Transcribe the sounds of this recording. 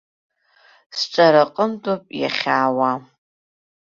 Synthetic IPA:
sʈ͡ʂʼaɾaqʼəmdopʼja̰χʲaːwa

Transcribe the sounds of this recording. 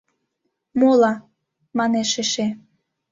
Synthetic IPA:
molɑ | mɑneʃeʃe

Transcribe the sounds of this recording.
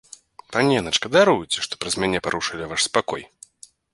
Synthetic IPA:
panʲɛnɐt͡ʂkɐd̪aɾujut͡sʲɛʂt̪ɔ̥pɾɐzmʲanʲɛpaɾuʂɨlʲivaʂspakɔ̰j

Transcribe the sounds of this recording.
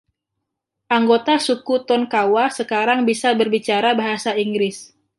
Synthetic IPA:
ʔaŋɡot̪asukut̪ɔnkawasəkaɾaŋbisabərbit͡ʃaɾabaɦasaiŋɡɾɪs

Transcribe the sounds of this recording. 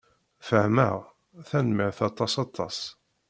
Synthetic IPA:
fəhmə̰ʁ | θænməʁθɑt̪ˤːɑsɑt̪ˤːɑ̰s

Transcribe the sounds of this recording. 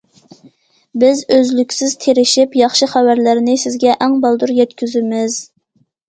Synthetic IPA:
bɪzøzlykʲsɪzt̪ʰeɾɪʃipjɑχʃɨχævæɾlɪɾnɪsɪzɡʲɛʔæŋbɑlˠd̪uɾjɛt̪kʲyzɪmɪz̥

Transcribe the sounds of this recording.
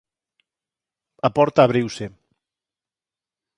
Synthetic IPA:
apɔɾt̪aːβ̞ɾiwse

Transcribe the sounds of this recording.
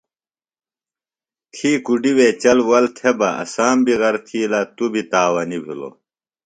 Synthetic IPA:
t̪ʰiːkuɖiwet͡ɕɐlwɐlt̪ʰebɐʔɐ̰saːmbiɣɐɾt̪ʰiːlɐt̪ubʱit̪aːwɐnibʱḭlo̰

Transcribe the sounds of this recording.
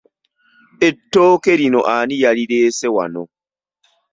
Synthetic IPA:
etːoːkeɾinoʔaːnijaɾiɾeːsɛwa̰no̰

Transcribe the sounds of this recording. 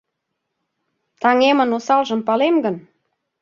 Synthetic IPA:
t̪ɑŋemənosɑlʒə̆mpɑlemɡən

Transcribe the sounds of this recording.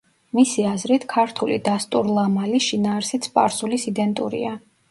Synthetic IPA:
misiazɾit̪ʰkʰaɾt̪ʰulḭd̪ast̪ʼuɾlˠamaliʃinaːɾsit̪sʰpʼa̰ɾsulisid̪ɛnt̪ʼṵɾḭa

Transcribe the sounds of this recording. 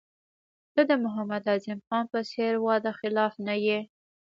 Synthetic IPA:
d̪əd̪əmʊɦamad̪ɑzɪmxɑnpəseɾwɑd̪axɪlɑfnaje

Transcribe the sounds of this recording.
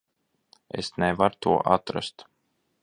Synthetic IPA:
ḛsnævaɾt̪uɔʔat̪ɾa̰st̪

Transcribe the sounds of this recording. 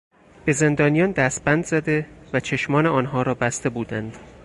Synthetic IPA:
b̥e̞ze̞nd̪ɒːnijɒːnd̪æst̪̚bænd̪zæd̪e̞væt͡ʃʰe̞ʃmɒːne̞ɒːnɦɒːɾɒːbæst̪e̞buːd̪ænd̪̥

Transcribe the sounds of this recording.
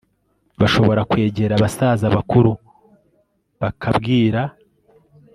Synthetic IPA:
βaʃo̞βo̞ɾakwe̞ːɟe̞ɾaβasazaβakuɾu | βakʰabɡiːɾa

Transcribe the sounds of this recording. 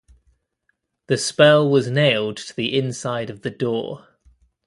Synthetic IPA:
ðəspɛlˠwɒzneɪlˠdtʰəðiʔɪ̃nsaɪɾəvðədɔ̰ː

